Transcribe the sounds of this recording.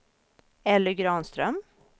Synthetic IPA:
ɛlːəɡɾɑːnst̪ɾœm

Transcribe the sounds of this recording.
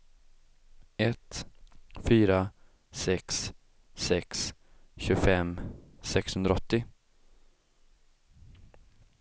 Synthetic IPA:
ɛt̪ | fyːɾa | sɛksː | ɛks | ɕɵɡfɛmsɛkshɵnd̪ɾaɔt̪ːɪ

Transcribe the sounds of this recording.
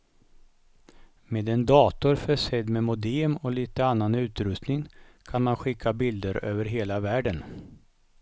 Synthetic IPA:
meːd̪ɛnd̪ɑːt̪ʊɾfœʂɛd̪mɛmʊd̪eːmɔliːt̪əanːanʉ̟ːt̪ɾɵst̪nɪŋkʰanmanɧɪkʰːabɪld̪əɾø̰ːvəɾɦeːlavæːɖən

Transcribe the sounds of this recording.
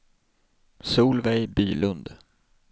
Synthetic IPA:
suːlvɛjbyːlɵnd̪

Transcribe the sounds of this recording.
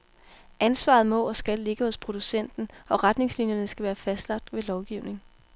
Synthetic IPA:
ʔænsʋɑ̈ð̞̩ˠmɔsɡ̥ælːe̝ɡ̥əhɔ̽spʰʁo̝d̥usen̰d̥n̩ʔɒ̽ʁad̥ne̝ŋslinjɐnəsɡ̥æʋæːɐfæsd̥lɑ̈ɡ̥̚d̥ʋe̝lɒʊɡ̥iʊne̝ŋ

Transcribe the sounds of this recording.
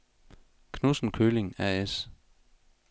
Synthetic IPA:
kʰnusn̩kʰøːle̝ŋæes

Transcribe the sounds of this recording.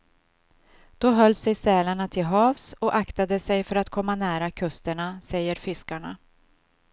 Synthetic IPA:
d̪̥ɔɦœlːsɛjsɛːlaɳat̪ʰɪlɦɑːvsɔʔakt̪ad̪əsɛjfœɾat̪kʰɔmːanæːɾakʰɵst̪əɳasɛjːəɾfʏskaɳa

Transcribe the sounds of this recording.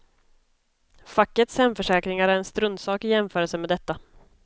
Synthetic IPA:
fakːət̪shɛmfœʂɛːkɾɪŋaɾæɾɛnst̪ɾɵnd̪sɑːkɪjɛmfœːɾəlsəmɛːd̪ɛt̪ːa

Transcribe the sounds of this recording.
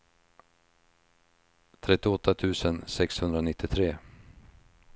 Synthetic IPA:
t̪ʰɾɛt̪ːɪɔt̪ːat̪ʰʉ̟ːsənsɛkshɵnd̪ɾanɪt̪ːɪt̪ʰɾeː

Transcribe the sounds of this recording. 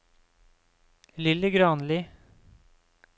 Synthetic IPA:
lɪləɡɾɑːnliː

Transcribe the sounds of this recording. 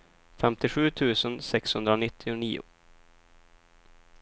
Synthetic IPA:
fɛmt̪ɪɧʉ̟ːt̪ʰʉ̟ːsənsɛkshɵnd̪ɾaʊnɪt̪ʰːɪʊniːʊ̰

